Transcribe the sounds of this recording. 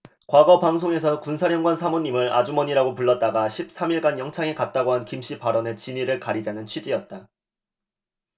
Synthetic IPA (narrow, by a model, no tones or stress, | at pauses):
kwaɡʌpaŋs̬ʰoŋe̞s̬ʰʌkunsʰaɾjʌŋɡwansʰamoɲːimɯɾa̰d͡ʑumʌɲiɾaɡopuɭːʌt̚t͈aɡaɕʰip̚s͈amiɭɡanjʌŋt͡ɕʰaŋekat̚t͈aɡoɦankimɕ͈ʰipaɾʌne̞t͡ɕiɲiɾɯɭkaɾid͡ʑanɯnt͡ɕʰɥid͡ʑiʌt̚t͈a